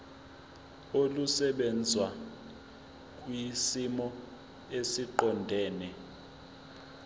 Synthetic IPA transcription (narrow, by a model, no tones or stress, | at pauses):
olusɛɓɛnd͡zʱwa | k̬ʼwisimɔ | esiǃɔndʱɛːnɛ